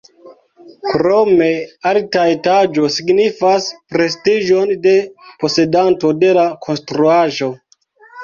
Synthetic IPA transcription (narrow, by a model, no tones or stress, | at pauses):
kɾome̞altaetad͡ʒo̞siɡnifaspɾe̞stiʒo̞nde̞po̞se̞danto̞de̞lakʰo̞nstɾuaʒo̞